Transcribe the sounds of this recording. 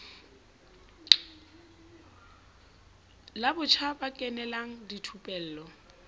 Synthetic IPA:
labʊt͡ʃʰabakʼɛnɛlaŋ̩ditʰupʼɛl̩ːlɔ

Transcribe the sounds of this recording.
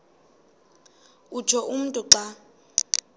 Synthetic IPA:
u̥ʒʱɔʔum̩tʼuǁa

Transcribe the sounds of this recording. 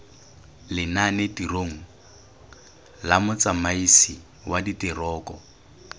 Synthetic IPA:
lɪnanɪdiroŋ̩ | lamʊt͡samaisi | waditʼɪrɔːkʼɔ

